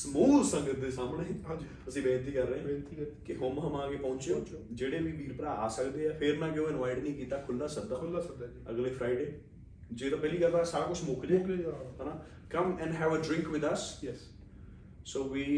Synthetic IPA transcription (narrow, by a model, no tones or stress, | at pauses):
smuːlsəŋɡət̪̚d̪eːsaːmɽeːad͡ʒi | əsĩːbɛ̃ːnt̪iːkəɾːəẽːt̪ikɪɦʊmɦəmãːɡeːpɔ̃ːnt͡ʃeoːd͡ʒeːɽeːʋiːbiːɾpəɾaːaːsəkd̪eːɛːpʰɪɾmɛ̃ːk̬ɪõːɪnʋaːɪɖnəĩːkiːt̪aːkʰʊlːaːsək̚d̪aːlaək̚d̪ | əɡleːpʰɾaːɪɖeː | d͡ʒeːt̪ãːpɛːliːɡəlbaːsaːɾaːkʊt͡ʃʰmʊːklẽɦaːnaː | kəmɛ̃nɖɦɛːʋəːɖɾɪ̃ŋkʋɪd̪əsj | soːʋiː